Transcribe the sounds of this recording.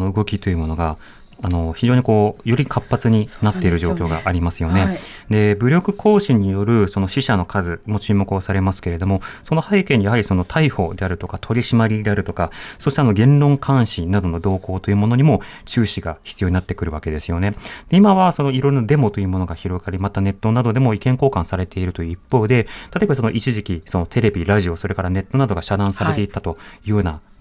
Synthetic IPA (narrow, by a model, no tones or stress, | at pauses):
noɯ̟ɡo̞kʲit̪o̞jɯ̟mo̞no̞ɡaː | no̞çiʑo̞ːɲ̟iko̞ːjo̞ɾʲikʰapːat͡sɨɲ̟inat̪ːe̞iɾɯ̟ʑo̞ːkʲo̞ːɡa̰ʔːɾʲimasɨjo̞ne̞ | d̪e̞bɯ̟ɾʲo̞kɯ̟ko̞ːɕiɲ̟ijo̞ɾɯ̟so̞noɕiɕano̞kʰazɨmo̞t͡ɕɨːmokosaɾe̞masɨ̥ke̞ɾe̞d̪o̞mo̞so̞no̞haikẽ̞ɲ̟ːijaɦaɾʲiso̞no̞t̪ʰaiɸo̞d̪e̞aɾɯ̟t̪o̞kat̪ʰo̞ɾʲiɕimaɾʲid̪e̞aɾɯ̟t̪o̞kasoːɕit̪eano̞ɡẽ̞nɾõ̞ŋkʰãɰ̃ɕinad̪o̞no̞d̪o̞ːko̞ːt̪o̞jɯ̟mo̞no̞ɲ̟imo̞ | t͡ɕɨːɕiɡaçʲi̥t͡sɨjoɲ̟inat̪ːe̞kɯ̟ɾɯ̟βake̞d̪e̞sɨjo̞ne̞d̪̥e̞imaβaso̞no̞iɾo̞jɾonad̪e̞mo̞t̪o̞jɯ̟mo̞noɡaçiɾo̞ɡaɾʲimat̪ane̞t̪ːo̞nad̪o̞d̪e̞mo̞ikẽ̞ŋko̞ːkãɰ̃saɾe̞t̪e̞iɾɯ̟t̪o̞jɯ̟ipːo̞ːd̪e̞t̪at̪ebasono̞ʔit͡ɕiʑikʲiso̞no̞t̪ʰe̞ɾe̞bʲiɾaʑio̞so̞ɾe̞kaɾane̞t̪ːo̞nad̪o̞ɡaɕad̪ãɰ̃saɾe̞t̪e̞it̪ːat̪o̞jɯɯːna